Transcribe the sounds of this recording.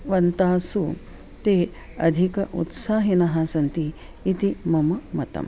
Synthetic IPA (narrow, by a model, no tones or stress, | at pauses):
ʋɐnt̪aːsu | t̪eː | ɐ̰d̪ʱikɐʔṵt̪saːɦinɐɦɐsɐnt̪iː | t̪imɐmɐmɐt̪ɐ̰m